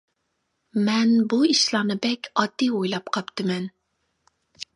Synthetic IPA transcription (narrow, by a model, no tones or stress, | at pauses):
mɛnbuiʃlˠɑnɨbɛkʲʰɑd̪̥ːiojlˠɑp̚qʰɑpt̪ʰɨmɛn